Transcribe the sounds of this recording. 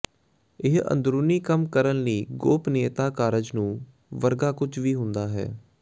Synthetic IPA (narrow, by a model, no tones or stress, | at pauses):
ɪɦə̰̃nd̪ɾuːniːkəmkəɾənliːɡoːpneːt̪aːkaːɾəd͡ʒnũː | ʋəɾɡaːkʊt͡ʃʰʋiːɦʊnd̪aːɦɛ̰ː